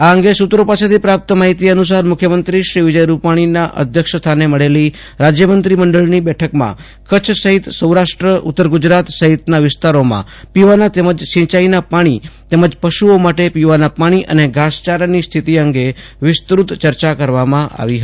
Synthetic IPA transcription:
aəŋɡesut̪ɾopaset̪ʰipɾap̚t̪əmaɦit̪iənus̬aɾmʊkʰjəmənt̪ɾiʃɾiʋɪd͡ʒəjɾupaɽ̃inaʔə̰d̪ʱjəkʂst̪ʰaneməɭeli | ɾad͡ʒjəmənt̪ɾiməɳɖəɭnibɛʈʰəkmã̰ | kət͡ʃʰsəɦit̪səwɾaʃʈɾəʔʊ̰t̪ːəɾɡʊd͡ʒɾat̪səɦit̪naʋɪst̪aɾomã̰ | piʋanat̪eməd͡ʒʃɪ̃t͡ʃainapaɽ̃it̪eməd͡ʒpəʃuomaʈepiʋanapaɽ̃iʔə̰neɡʱast͡ʃaɾnist̪ʰit̪iəŋɡe | ʋɪst̪ɾut̪t͡ʃəɾt͡ʃakəɾʋamãʔa̰ʋiɦə

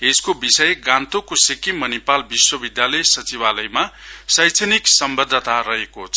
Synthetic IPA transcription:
eskobisʌjɡãnt̪okosekimʌnipalbiswʌbid̪jalʌjsʌt͡sibalʌjmasʌjt͡sʰʌniksʌmbʌd̪ʱːʌt̪aɾʌɦekot͡sʰʌ

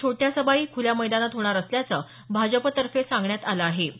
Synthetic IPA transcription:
t͡ɕʰoʈjasəbaiːkʰuljaməjd̪anat̪ɦoɽ̃aɾəsljat͡səː | bʱad͡zəpət̪əɾfesãŋɡɳjat̪aləːɦe

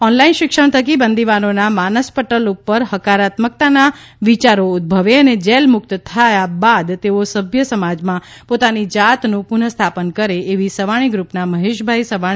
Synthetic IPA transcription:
ɔnlainʃɪkʃəɳ̃t̪ʰəkibənd̪ʱiʋanonamanəspəʈəlupːəɾɦəkaɾat̪mək̚t̪ana | ʋit͡ʃaɾoʊd̪̚bʱəʋeəned͡ʒɛlmʊk̚t̪t̪ʰajabad̪t̪eosəbʱjəsəmad͡ʒmãpot̪anid͡ʒat̪nũpunəst̪ʰapənkəɾeːʋisəʋaɽ̃iɡɾupnaməɦeʃbʱajsəʋaɽ̃i

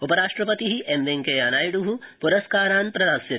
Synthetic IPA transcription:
upɐɾaːʂʈɾɐpɐt̪iɦiʔemʋeŋkejaːnaːjiɽuɦupuɾɐskaːɾaːnpɾɐd̪aːsjit̪

